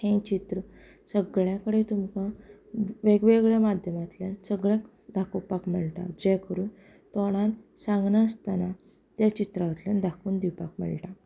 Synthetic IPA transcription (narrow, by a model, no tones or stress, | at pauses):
hẽt͡ɕit̪ɾə | səɡɭjãkəɽet̪umka | ʋeɡʋeɡɭjamad̪ʱjəmat̪ljansəɡɭjãk | d̪ʱakəwpakməɭʈa̰d͡ʑɛkəɾuːn | t̪ɔɽ̃ãnsãŋɡnaəst̪ana | t̪jat͡ɕit̪ɾaʋət̪ljand̪ʱakuːnd̪iwpakmə̰ɭʈa